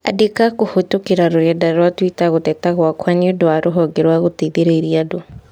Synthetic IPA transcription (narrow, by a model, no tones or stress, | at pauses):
a̰dekakohotokeɾaɾoɾɛdaɾwatwitaɣotɛtaɣwakwanɛdwaɾoɦɔɡeɾwaɣoteðeɾeiɾiado